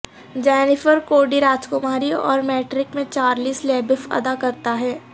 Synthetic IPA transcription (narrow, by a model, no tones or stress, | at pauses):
d͡ʒɛːnɪfəɾkoːɖiɾaːd͡ʒkʊmaːɾiɔ̰ːɾmɛːʈɾɪkmẽt͡ʃaːɾliːsleːbɪfɐ̰d̪akɐɾt̪aɦɛː